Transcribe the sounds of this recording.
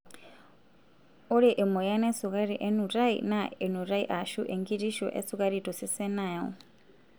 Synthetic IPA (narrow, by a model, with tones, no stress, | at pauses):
u˦ɾiʔɛ˨mɔ˨ja˦nɛ˦su˨ka˦ɾi˨ʔɛ˦nu˨ɾa˦ḭnaɛ˨nu˨ɾa˦i˦ʔa˨ʃu˦ʔe˨ŋɡi˦ti˦ʃɔ̰˨ʔɛ̰˦sukʼa˦ɾi˨tɔ˨sɛ˦sɛ˦na˨ɔ̰˨